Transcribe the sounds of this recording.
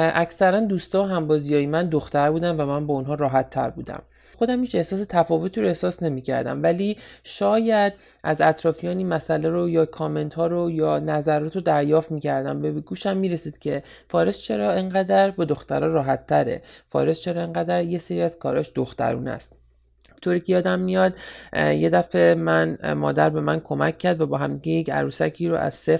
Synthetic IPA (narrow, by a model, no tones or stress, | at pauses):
ʔæcsæɾænd̪uːst̪ɒːɦæmbɒːzijɒːjemænd̪oxt̪æɾbuːd̪ænvæmænbɒunɦɒːɾɒːɦæt̪ʰːæ̰ɾbuːd̪æ̰m | xo̞d̪æmhiːt͡ʃe̞hsɒːse̞t̪ʰæfɒːvo̞t̪ʰiːɾoe̞hsɒːsne̞miːcʰæ̰ɾd̪æ̰mvæliʃɒːjæd̪̚ | æzæt̪ʰɾɒːfijɒːniːnmæsæleɾojɒːkʰɒːme̞nt̪hɒːɾojɒːnæzæɾɒːt̪ʰod̪æɾjɒːft̪miːcʰæɾd̪æ̰mbæbeɡuːʃæmːiːɾe̞siːd̪̥cʰe̞ | fɒːɾest͡ʃʰe̞ɾɒːeŋɢæd̪æɾbɒd̪oxt̪æɾɒːɾɒːɦæt̪ʰːæɾe̞̰fɒ̰ːɾest͡ʃʰe̞ɾɒːeŋɢæd̪æɾjeseɾiːæz̥kʰɒ̰ːɾɒːʃd̪oxt̪æ̰ɾṵːnæ̰st̪̚ | t̪ʰoːɾiːcʲʰejɒːd̪æmːijɒd̪jed̪æfe̞mænmɒ̰ːd̪æɾbe̞mænkʰo̞mæcʰːæɾd̪væbɒːɦæmd̪iɡɟejecʰæ̰ɾuːsæcʰiːɾo̰ʔæ̰z̥sef